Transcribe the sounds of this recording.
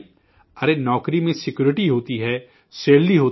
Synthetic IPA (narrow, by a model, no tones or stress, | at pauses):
əɾeːnɔːkɾimẽsɪkjuːɾɪʈiːɦoːt̪iɦɛː | seːɽliɦoː